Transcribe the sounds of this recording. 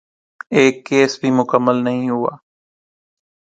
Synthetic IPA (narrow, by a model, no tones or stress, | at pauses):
eːkːeːsbʱimʊkəmːəlnəɦĩɦʊa̰ː